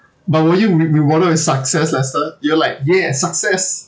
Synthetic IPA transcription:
bat̚wɛjuɹɹiwɔɾəɪsaksɛslɛstəjuəlaɪk̚jɛsaksɛs

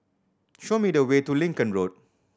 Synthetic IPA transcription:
ʃomidəwetulĩŋkə̃nɹot̚

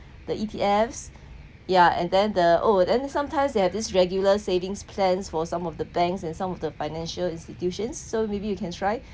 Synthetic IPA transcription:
dəʔitʰiɛfs | jaɛ̰̃ndɛ̃ndəʔodɛ̃nsãmtʰãɪ̃msdehɛvdisɹɛɡjuləsevɪ̃ŋspʰlɛ̃nsfɔsãmɔfdəbɛ̃ŋksɛ̃nsãmɔfdəfaɪnɛ̃nʃəlĩnstitjuʃə̃nsːomebijukʰɛ̃ntʰɹaɪ

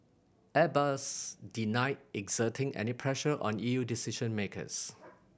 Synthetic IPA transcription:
ɛbasdinaɪd̚ɛɡz̥ətʰɪ̃ŋʔɛ̰nipʰɹɛʃəʔɔ̰̃nijudisiʃə̃nmekə̰s

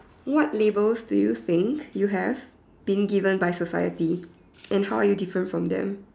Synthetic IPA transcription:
wɔtlebəlsdujuθɪ̃ŋkjuɦɛv | b̥ĩnɡivə̃nbajsosa̰jə̰ti | ʔɛ̃nhawajudifɹə̃ntfɹɔ̃md̪ɛ̰̃m

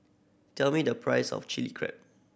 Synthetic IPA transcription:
tʰɛlmidəpʰɹaɪsɔ̰ft͡ʃilikʰɹɛ̰p̚

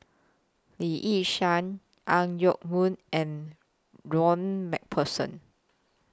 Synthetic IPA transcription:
liʔiʃãn | ʔãŋjɔk̚mũnʔɛ̃n | ɹɔ̃nmɛ̰k̚pʰəsə̰̃n

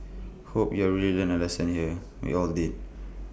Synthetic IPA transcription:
hopjɔɹililə̃nəlɛsə̃nhiə | wḭɔldid̚

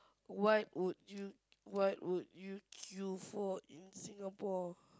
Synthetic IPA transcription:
waɪt̚wudju | wajtwudjukʰjufɔĩnsĩŋapɔ

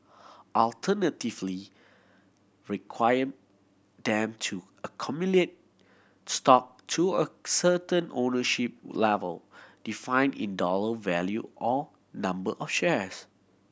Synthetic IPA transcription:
ʔɔltʰənətivli | ɹikʰwajə | dɛ̃mtʰu | əkʰɔmjulet̚ | stɔk̚tʰuəsətə̃nʔonəʃip̚lɛvə̰ld̥ifãɪ̃nḭ̃ndɔləvɛljuʔɔ | nãmbəʔɔfʃɛs

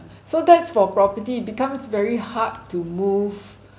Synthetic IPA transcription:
sodɛtsfɔpɹɔpətit̚bikãmsvɛɹihad̚tːumuv

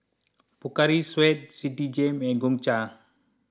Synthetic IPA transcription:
pukaɾiswɛt̪̚sidid͡ʒɛmɛɡuŋt͡ʃa

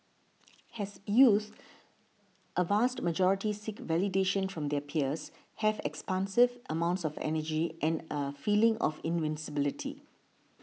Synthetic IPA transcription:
hɛsjut̪ | ʔəvastməd͡ʒɔɹɪtisɪkvɛlideʃə̃nfɹɔ̃md̪ɛpʰiəs | hɛvɛ̰kspãnsɪvʔəmãʊ̃ntsɔfɛ̰nəd͡ʒiʔɛ̃nəfiːlɪ̃ŋɔ̰fɪ̃nvɪ̃nsɪbɪlɪtʰḭ

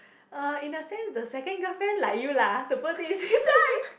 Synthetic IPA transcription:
ʔəɪ̃nəsɛ̃nsðəsɛkə̃nɡəfɛ̃nla̰jjulat̪ufət̪isi

